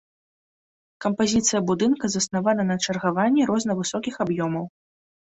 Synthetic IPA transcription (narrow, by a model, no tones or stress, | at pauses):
kɐmpazʲit̪sɨjɐbud̪ɨnkɐzɐsnavanɐnɐt͡ʂɐrɣavanʲːɛɾɔznɐvɨsɔkʲixabjɔmɐw